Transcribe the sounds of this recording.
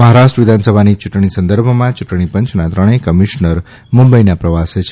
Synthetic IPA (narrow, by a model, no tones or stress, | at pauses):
məɦaɾaʃʈɾəʋɪd̪ʱansəbʱanit͡ʃuʈɳ̃isə̃nd̪əɾbʱmãt͡ʃuʈɽ̃ipə̃ɲt͡ʃʰnat̪ɾəɽ̃ekəmiʃnəɾ | mumbəinapɾəʋaset͡ʃʰ